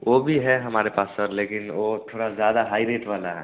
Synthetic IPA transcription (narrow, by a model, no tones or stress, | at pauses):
ʋobʱiɦɛɦɐmaːɾepaːsːəɾleːkɪnʋot̪ʰoːɽazjaːd̪aɦaːiɾeːʈʋaːlaɦɛ̰ː